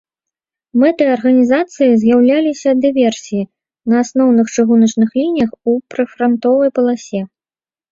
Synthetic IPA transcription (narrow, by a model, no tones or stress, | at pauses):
mɛt̪ɨjɐrɣɐnʲizat̪sɨjizʲjawlʲalʲisʲɐd̪ɨvʲɛrsʲiji | nɐasnɔwnɨxt͡ʂɨɣunɐt͡ʂnɨxlʲinʲijɐxupɾɨfɾant̪ɔvɐjpɐlˠasʲɛ